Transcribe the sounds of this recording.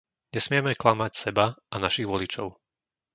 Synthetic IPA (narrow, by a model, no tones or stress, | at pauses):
ɲɛsmɪɛmɛklamacsɛbaʔanaʃiɣʋɔlit͡ʃɔʊ